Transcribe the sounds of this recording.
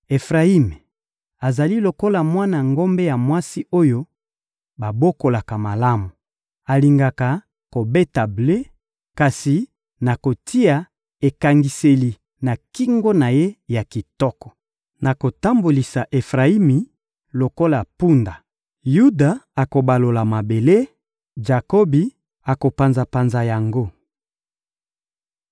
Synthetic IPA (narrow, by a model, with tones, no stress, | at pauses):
e˨fʁa˨i˦me˨ | a˨za˨li˦lo˨ko˦la˨mwa˦na˨ŋɡo˦mbe˦ja˨mwa˦si˦ʔo˦jo˦ | ba˨bo˦ko˨la˨ka˨ma˨la˦mu˨ | a˨li˨ŋɡa˨ka˨ | ko˨be˦ta˨ble˦ | ka˨si˨ | na˨ko˨tʰi˦a˨ | e˨ka˨ŋɡi˨se˨li˨ | na˨ki˦ŋɡo˦na˨je˦ja˨ki˨tɔ˦kɔ̥˨ | na˨ko˨ta˦mbo˨li˨sa˨ʔe˨fʁa˨i˦mi˨ | lo˨ko˦la˨pu˦nda˨ | ju˦da˨a˨ko˨ba˨lo˨la˨ma˨be˨le˦ | d͡ʒa˨ko˦bi˨ | a˨ko˨pa˨nza˨pa˨nza˨ja˨ŋɡo˦